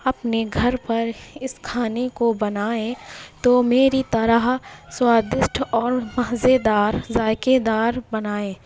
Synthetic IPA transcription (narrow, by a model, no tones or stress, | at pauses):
ɐpneɡʱɐɾpɐɾɪskʰaːnekobɐnaːẽt̪omeːɾit̪ɐɾaɦswaːd̪ɪsʈʰɔːɾmɐɦzed̪aːɾzaːjked̪aːɾbɐnaːẽː